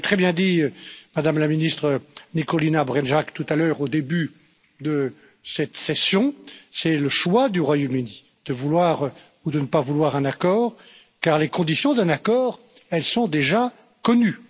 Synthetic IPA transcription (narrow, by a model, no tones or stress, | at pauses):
t̪χɛbjɛ̃d̪imad̪amlaminist̪χənikɔlinabʁɛnʒakt̪ut̪alœːʁod̪eby | d̪ə | sɛt̪sɛsjɔ̃sɛləʃwad̪yʁwajomyni | d̪̥əvulwaʁ | ud̪ənəpavulwaʁɛ̃nakɔːʁ | kaʁlekɔ̃d̪isjɔ̃d̪ɛ̃nakɔːʁ | ɛlsɔ̃d̪eʒa | kɔny